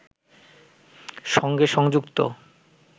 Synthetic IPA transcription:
ʃɔŋɡeʃɔŋd͡ʑukt̪o̰

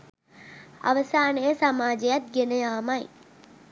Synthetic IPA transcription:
ɐ̰ʋɐsaːnɐjɐsɐmaːd͡ʒɐjɐt̪̚ɡɪnɐjaːmɐj

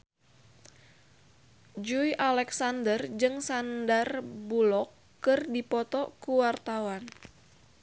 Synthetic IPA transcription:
d͡ʒujʔalɛksandərd͡ʒɨŋsandərbulɔkː | ɨrdipɔt̪ɔkuwart̪awan

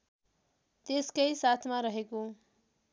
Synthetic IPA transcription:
t̪eskʌjsat̪ʰmaɾʌɦeko

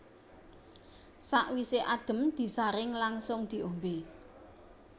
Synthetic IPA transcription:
saʔwiseʔad̥ə̤md̪̥i̤saɾɪŋlaŋsʊŋd̪̥i̤ombe

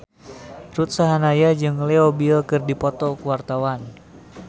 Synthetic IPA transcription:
rut̪̚saɦanajad͡ʒɨŋleobilkɨrdipɔt̪ɔkəwart̪awan

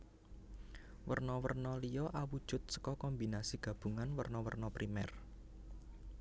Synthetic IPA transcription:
wərnɔwə̰rnɔlijɔʔawud̥ʒ̥ʊ̤t̪̚sə̥kɔkɔmbinasiɡ̥ä̤b̥ṳŋanwərnɔwərnɔpɾimɛr

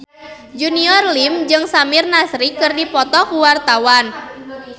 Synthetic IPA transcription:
d͡ʒuniɔrlimd͡ʒɨŋsamirnasɾikɨrdipɔt̪ɔkuwart̪awan

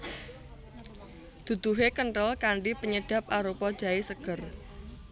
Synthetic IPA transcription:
d̪̥ṳd̪̥uɦekənʈəlkaɳɖipəɲəɖ̥ä̤p̚ʔaɾupɔd̥d͡ʒ̥a̤esəɡ̥ər

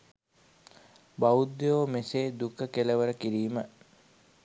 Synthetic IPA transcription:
bawud̪joːmeseːd̪ukəkeləʋəɾəkiɾiːmə

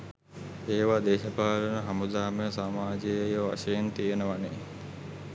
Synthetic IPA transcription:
eːʋad̪eːʃɐpaːlɐnəɦɐmud̪aːməjəsaːmaːd͡ʒejjəʋa̰ʃɐjent̪ijenəʋaneː

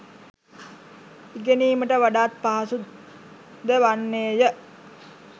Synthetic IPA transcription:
iɡeniːməʈəʋaɖaːt̪̚paɦasu | d̪əʋanːeːjə

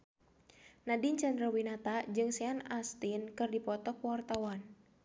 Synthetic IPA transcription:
nadint͡ʃandɾawinat̪ad͡ʒɨŋsɛanast̪inkɨrdipɔt̪ɔkwart̪awan

